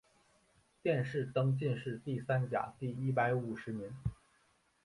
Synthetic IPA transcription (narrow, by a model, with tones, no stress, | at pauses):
t̪jɛ˥˧nʂɻ̩˥˩t̪ɤ˥ŋt͡ɕi˥˧nʂɻ̩˥˧t̪i˥˩sa˥nt͡ɕja̰˨˩˦t̪i˥˩i˥˩pa˧˥ɪu˨˩ʂɻ̩˧˥ni˧˥n